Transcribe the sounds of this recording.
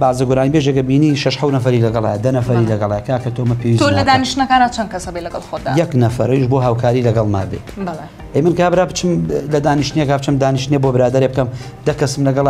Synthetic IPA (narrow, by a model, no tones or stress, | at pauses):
baʕzɐɡʊɾaːnibeʒekɐbiːniːʃɐʃħɐwnɐfɐɾilɐɡɐlˠa̰ːjɐd̪ɐnɐfɐɾilɐɡɐlˠaːjɐkʰaːkʰɐt̪ʰomɐpʰewizt̪olɐd̪aːniʃtnɐkaːnat͡sʰɐn̚kɐsɐbelɐɡɐlˠxoːd̪ːjɐknɐfɐ̰ɾɐjʃboːɦaːwkʰaːɾilɐɡɐlˠma̰ːbḛbɐle | ʔejmɨnkaːbɾaːpt͡ʃɨmlɐd̪aːniʃt̪nekaːp̚t͡ʃɨmd̪aːniʃt̪nebobɨɾaːd̪ɐɾeb̚kɐmd̪ɐkɐsɨmlɐɡɐl